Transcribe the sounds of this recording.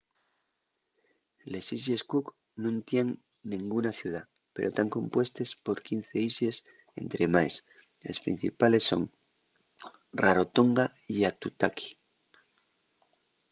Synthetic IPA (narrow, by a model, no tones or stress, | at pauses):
le̞sis̬eskuk | nũnt̪jeŋ | nĩŋɡunaθjuð̞a | pe̞ɾʔo̞t̪aŋko̞mpwe̞st̪e̞spo̞ɾkin̟θe̞isjes | e̞̰nt̪ɾemaes | ḛspɾḭn̟θḭpale̞sːo̞̰ŋ | raɾo̞t̪o̞ŋɡa | iat̪ut̪aki̥